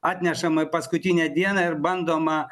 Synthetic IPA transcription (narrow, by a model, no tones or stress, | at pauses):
ɑːt̪ʲnʲɛʃɐmɨpɐskʊt̪ʲinʲɛd̪ʲiɛnɐɪɾbɐnd̪oːmɐ